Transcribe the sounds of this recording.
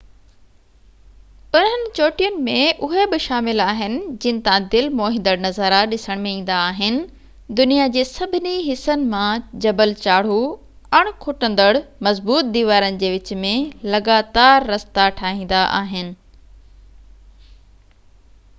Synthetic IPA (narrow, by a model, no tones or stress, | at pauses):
ʊn̤ənɪ̆t͡ɕoːʈijənɪ̆mẽʔʊɦebɪʃaːmɪlaːɦɪnɪ̆d͡ʑɪ̃nɪ̆t̪ãd̪ɪlmoːɦɪ̃n̆d̪əɽnɐzəɾaɗɪsəɽ̃mẽĩːn̆d̪aːɦɪnɪ̆ | d̪ʊnijad͡ʑeːsɐbʱɪniɦɪsənɪ̆mãd͡ʑɐbəlt͡ɕaːɽ̤u | ɐɽ̃kʰʊʈə̃n̆d̪əɽmɐzbuːt̪̚d̪iːʋaːɾənɪ̆d͡ʑeːʋɪt͡ɕ̆mẽlɐɡaːt̪aːɾːɐst̪aʈʰaːɦĩːn̆d̪aʔa̰ːɦɪnɪ̆